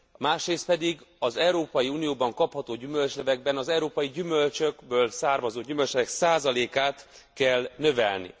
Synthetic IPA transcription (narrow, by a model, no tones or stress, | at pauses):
maːʃreːst̪pɛd̪iɡɒzɛuɾoːpɒjiuːnijoːbɒŋkɒphɒt̪oːɟymø̞lt͡ʃnɛvɛɡ̚bɛnɒzɛuɾoːpɒjiɟymø̞lt͡ʃø̞ɡbøːlsaːrmɒzoːɟymølt͡ʃlɛvɛksaːzɒleːkaːt̪kɛlnø̞vɛ̰lnḭ